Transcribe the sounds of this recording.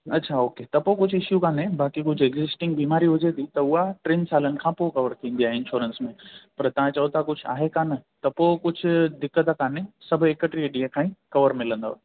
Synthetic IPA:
ɐtːɕʰaoːket̪ɐpokʊd͡ʑʱʊɪʃjukaːnebaːkikʊd͡ʑʱeɡzɪsʈɪ̃ŋɡbiːmaːɾiɦʊd͡ʑet̪ʰit̪ɐʊɦaʈɾẽːnsaːlənɪ̆kʰãːpokɐʋəɾt̪ʰĩːnd̪iaːɦeɪ̃nʃuːɾənsmẽpɐɾt̪ɐʋ̤ãt͡ɕɐot̪ʰakʊd͡ʑʱʊa̰ːɦekaːnɐt̪ɐpoːkʊd͡ʑʱʊ̆d̪ɪkːət̪akaːnesɐbʱʊekəʈɾieɗiãkʰãːĩkɐʋəɾmɪlə̃nd̪o̰

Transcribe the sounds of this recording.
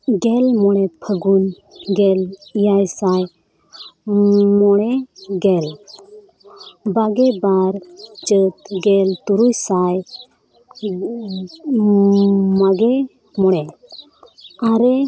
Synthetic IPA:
ɡɛlmɔɽ̃ɛpʰəɡun | ɡɛlijajsaj | mɔɽ̃ɛɡɛl | baɡɛbaɾd͡ʒət̪ɡɛlt̪uɾujsaj | maɡɛ | mɔɽ̃ɛ | aɾɛ

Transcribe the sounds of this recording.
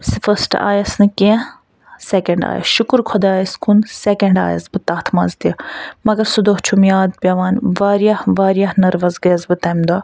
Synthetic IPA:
sifɐsʈa̰ːjɐsnɨke | sekɐɳɖa̰ːjɐ̰sʃukuɾkʰod̪aːjɐskunsekɐɳɖa̰ːjɐ̰sbɨt̪ɐːt̪ʰmɐnzt̪imɐɡɐɾsud̪oːht͡ʃʰumjaːd̪̚pʲɐʋaːnʋaːɾijahʋaːɾjahnɐɾʋɐzɡɐjɐzbɨt̪ɐmd̪aː

